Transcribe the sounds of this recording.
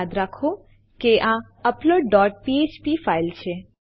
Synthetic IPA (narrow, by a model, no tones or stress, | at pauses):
ad̪ɾakʰo | keʔã | əploɖːɔʈ̚piet͡ʃpifailt͡ʃʰe